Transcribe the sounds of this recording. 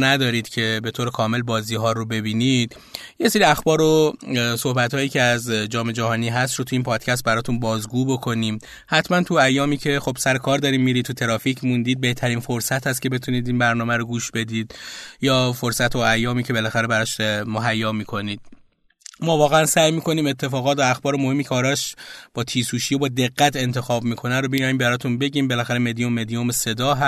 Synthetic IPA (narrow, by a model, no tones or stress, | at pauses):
næd̪ɒːɾiːd̪̥cʰe̞be̞t̪ʰoːɾekʰɒːme̞lbɒːziːɦɒːɾobe̞biːnid̪̥ | je̞se̞ɾiæxbɒːɾoso̞hbæt̪hɒːjiːcʰeæzd͡ʒɒːme̞d͡ʒæɦɒːniːɦæst̪ɾot̪ʰuiːnpʰɒːd̪̥cʰæst̪̚bæɾɒːt̪ʰunbɒːzɡuːbo̞kʰo̞niːm | hæt̪ʰmænt̪ʰuæjːɒːmiːcʰe̞xo̞b̥sæɾekʰɒːɾd̪ɒːɾiːmːiːɾit̪ʰut̪ʰe̞ɾɒːficʰmund̪iːd̪̚be̞ht̪ʰæɾiːnfo̞ɾsæt̪hæst̪̚cʰe̞be̞t̪ʰuniːd̪inbæɾnɒːmæɾoɡuːʃbe̞d̪iːd̪jɒːfoɾsæt̪ʰoæjːɒːmiːcʰe̞be̞læxæɾebæɾɒːʃmoɦæjːɒːmiːkʰo̞niːd̪̥̚ | mɒːvɒːɣeænsæːjmiːkʰo̞niːme̞t̪ʰːe̞fɒːɣɒːt̪væːxbɒːɾemohe̞mːiːcʰeɒːɾɒːʃb̥ɒːt̪ʰiːsuːʃijobɒːd̪e̞ɣːæt̪ʰe̞nt̪ʰe̞xɒːbmiːkʰo̞næɾobijɒːjiːmbæɾɒːt̪ʰunbe̞ɟiːmbe̞læxæɾemed̪ijomːed̪ijomese̞d̪ɒːɦæ